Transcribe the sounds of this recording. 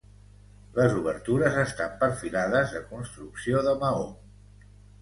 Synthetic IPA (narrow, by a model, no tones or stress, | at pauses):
ləzuβ̞əɾt̪uɾəzəst̪ampəɾfilaðəzðəkunst̪ɾuksioðəməo